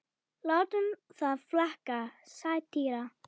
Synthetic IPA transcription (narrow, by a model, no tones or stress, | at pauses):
lɔt̪ʏnθaðflahkasajt̪ʰiːɾa